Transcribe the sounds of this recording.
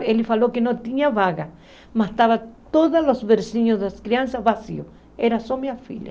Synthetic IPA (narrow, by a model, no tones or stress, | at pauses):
elifalokenot̪iniaβaɣa | mat̪aβat̪oðalosβeɾsiɲosðeaskɾiansaβasḭo | eɾasomiafḭʎa̰